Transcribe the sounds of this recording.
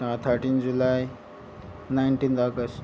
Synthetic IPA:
ãt̪ʰəɾʈind͡zulaj | najɳʈind̪aɡəs

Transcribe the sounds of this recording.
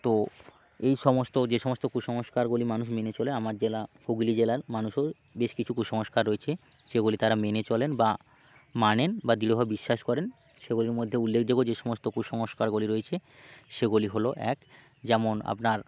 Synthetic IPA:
t̪o | ejʃɔmost̪od͡ʑeʃɔmost̪okuʃɔŋoʃkaɾɡolimanuʃmenet͡ɕɔleamaɾd͡ʑelahoɡlid͡ʑelaɾmanuʃo | beʃkit͡ɕʰukuʃɔŋoʃkaɾoet͡ɕʰe | ʃeɡolit̪aɾamenet͡ɕɔlenba | manenbad̪iɾobʱabebiʃːaʃkɔɾen | ʃeɡoliɾmod̪ʱːeulːekd̪eɡod͡ʑeʃɔmost̪okuʃɔŋoʃkaɾɡoliɾojet͡ɕʰe | ʃeɡoliɦoloʔɛ̰k | d͡ʑɛmona̰pnaɾ

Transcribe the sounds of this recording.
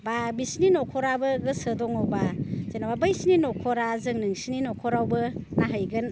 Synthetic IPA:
babisninɔkʰɔɾabɯɡɯsədɔŋɔbaz̥enababɯjsninɔkʰɔɾazɯŋnɯŋsininɔkʰɔɾawbɯnaɦajɡɯn

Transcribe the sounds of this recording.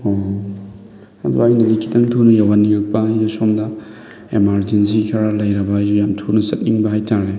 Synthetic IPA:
o | ɐ̰dṵajnɐlikʰitɐŋtʰunɐjawaniɾɐk̚pɐijasomdɐ | emaɾd͡ʒensikʰaɾalɐjɾɐbɐujamtʰunɐsɐt̚niŋbɐɦajtaɾe

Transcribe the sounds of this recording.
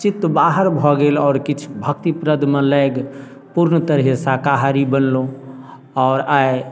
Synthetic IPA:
t͡ʃit̪ːbaɦəɾbʱɔɡelɔːɾkit͡ʃʰubʱək̚t̪ipɾəd̪ʱmẽləjɡ | puɾnət̪əɾɦesakaɦaɾibənlo | ɔːɾaj

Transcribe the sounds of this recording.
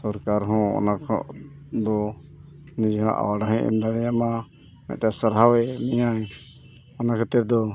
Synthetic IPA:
sɔɾkaɾɦɔ̃ɔ̰nakʰɔ̰ʔd̪ɔ | nid͡ʒɔɦãʔa̰waɖaɦɛ̃ʔɛ̰md̪aɽɛjama | mɛ̰ʔ̪̚ʈasəɾɦawɛmɛjaj | ɔnakʰɛt̪ɛɾd̪ɔ

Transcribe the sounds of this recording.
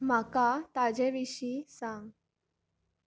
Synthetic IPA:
m̤akat̪ad͡ʑeʋiɕiːsãŋɡ

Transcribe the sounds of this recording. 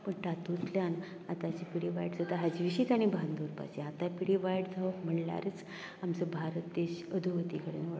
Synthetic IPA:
pəɳʈat̪ut͡sljan | at̪at͡ɕipiɽiʋajɽd͡zat̪aɦad͡ʑʋiɕiːt̪aɽ̃ibʱand̪uɾpa̰sẽat̪apiɽiʋajɽd͡zʱaʋəkm̤əɳla̰ɾet͡s | amt͡səbʱaɾət̪ːeɕəd̪ʱuʋət̪ikəɽḛnʋa

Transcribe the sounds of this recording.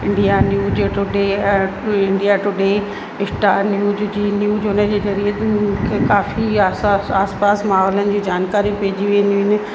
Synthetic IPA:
ɪ̃ɳɖijanjuːd͡ʑʈʊɖeɛ̃ː | ɪ̃ɳɖijaʈʊɖeː | ɪsʈaːnjuːzd͡ʑiːnjuːzʊnəd͡ʑeːzɐɾiət̪mũkʰekaːfi | aːspaːsmaːɦɔːlənɪ̆d͡ʑiːd͡ʑaːnkaːɾijũpeːd͡ʑiʋẽːnd̪iũɦɪnɪ̆

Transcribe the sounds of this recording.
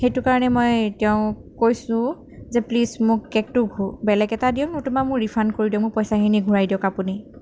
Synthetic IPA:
xejtʊkaɹɔnɛmojtɛʊ̃kojsʊ̃ | zɛplismʊkkɛk̚tʊɡʱubɛlɛɡɛtadiɔ̃mʊɹtʊmamʊɹɹipʰankoɹidiɔ̃kmʊɹpɔjsaxiniɡʱuɹajdiɔ̃kapuni

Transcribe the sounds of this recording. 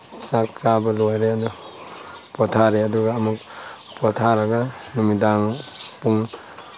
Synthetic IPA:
t͡ʃak̚t͡ʃabalojɾeadu | pɔtʰaɾeaduɡaːmuk̚ | pɔtʰaɾaɡanumidaŋpuŋ

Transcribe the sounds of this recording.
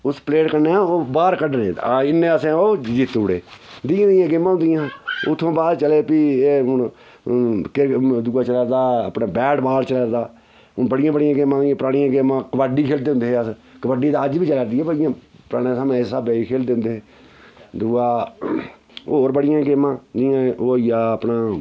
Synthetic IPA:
ʊspleːʈkəɾneãːoːbaːɾkəɖnḛ̃ːɪnːẽːəsẽoːd͡ʒit̪uːɽeːd̪ɪãːd̪ɪjãːɡɪmːãːɦʊ̃nd̪ɪjãːʊt̪ʰːõːbaːd̪t͡ʃəleːpieːɦʊɳ | kɪɾd̪uːaːt͡ʃəlaːɾd̪aːə̰pnaːbɛːʈbaːlt͡ʃələːɾd̪aː | ʊbəɽɪjãːbəɽɪjãːɡɪmːãːjãːpəɾaːɽɪjãːɡemãːkəbaɖiːkʰeːld̪eːʊ̃nd̪eːəskəbəɖiːd̪aːəd͡ʒbiːt͡ʃələːɾd̪ɪːãːbəɽɪjãːpəɾaːɽeːsaːm̃ːssaːbeːiːkʰeːld̪eːʊ̃nd̪eː | d̪uaː | oːoːɾbəɽɪjãːɡɪmãːd̪ɪjãːoːɪjaːəpnaː

